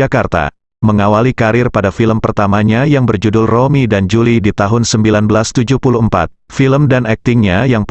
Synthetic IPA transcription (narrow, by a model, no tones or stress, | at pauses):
akart̪a̰ | məŋawalikaɾɪrpadafiləmpərt̪amaɲajaŋbərd͡ʒudʊlromidand͡ʒulidit̪aɦʊnsəmbilanbəlast̪ud͡ʒupuluəmpa̰t̪̚ | filəmdanɛk̚t̪ɪŋɲajaŋp